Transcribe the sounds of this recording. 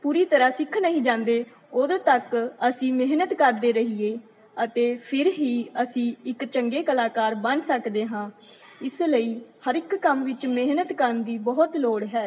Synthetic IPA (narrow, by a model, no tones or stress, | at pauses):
puːɾiːt̪əɾaːsɪkʰːnəɦĩːd͡ʒãːnd̪eː | ʊd̪t̪əkəsĩːmɪɦnət̪kəɾd̪eːɾəɦieː | ət̪eːpʰɪɾɦiːəsĩːɪkt͡ʃəŋɡeːkəlaːkaːɾbənsəkd̪eːɦãː | ɪsləiːhəɾɪkːəmʋɪt͡ʃmeɦnət̪kəɾnd̪iːbɔːʊt̪loːɽɦɛː